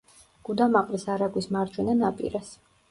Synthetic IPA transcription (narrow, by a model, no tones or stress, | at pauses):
ɡ̥ud̪amaqʼlisaɾaɡwismaɾd͡ʒwɛnanapʼḭɾas